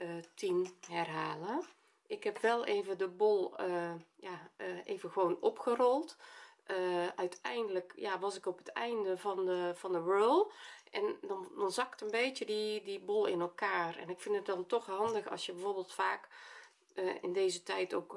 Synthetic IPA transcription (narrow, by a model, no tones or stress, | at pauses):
ətʰimhɛrɦaːlə | ʔɪkɦɛpʋɛlˠeːvədəbolˠəjaʔeːvəxəʋoːnɔpxərɔlˠtʔəʔœɥtʰɛjndələkjaːʋɑsɪkɔpətɛ̰jndəvɑnəv̥ɑndəʋøːlˠʔɛndɔndɔnzɑktənbeːtjədidibolˠɪnɛlˠkaːrɛ̰nɪkfɪndət̚dɑntɔxɦɑndəxɑ̰sjəbəvoːrbːlˠtfaːk | əɪ̰ndeːzətɛjto̰wk